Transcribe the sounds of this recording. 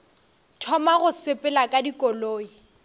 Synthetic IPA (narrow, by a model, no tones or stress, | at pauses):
tʰɔmaɣʊsɪpʼɪlakʼadikʼɔloːi